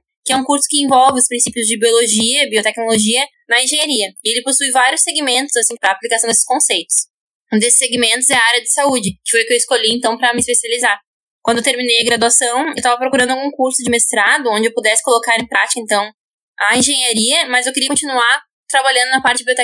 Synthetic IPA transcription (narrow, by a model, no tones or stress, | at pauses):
kɪɛũkuɾsʊ̥kɪẽvɔwvɪʊspɾĩsipjʊzd͡ʒɪbioloʒiɐbiot̪ɛknoloʒiɐ | nɐẽʒẽɲaɾiɐɪelɪposujvaɾjʊsːeɡimẽnt̪ʊzasĩpɾɐːplikasɐ̃w̪̃eɪsɪ̥skõsejt̪ʊ̥s | d̪esɪ̥seɡimẽnt̪ʊzɛɐaɾjɐd͡ʒɪsaud͡ʒɪkɪ̥fojʊkɪewɪskoʎijẽnt̪ɐ̃w̃pɾɐmɪspesializaɾ | kwɐ̃nd̪ʊewt̪eɾmĩnejɐɡɾad̪uasɐ̃w̃ewt̪avɐpɾokuɾɐ̃nd̪ʊawɡũkuɾsʊd͡ʒɪmest̪ɾad̪ʊõd͡ʒɪewpud̪ɛsɪ̥kolokaɾẽpɾat͡ʃi̥kɐẽnt̪ɐ̃w̃ | aĩʒẽɲaɾiɐmɐzewkɪɾiɐkõt͡ʃinuaɾ | t̪ɾabaʎɐ̃nd̪ʊnɐpaɾt͡ʃɪbiot̪ɛ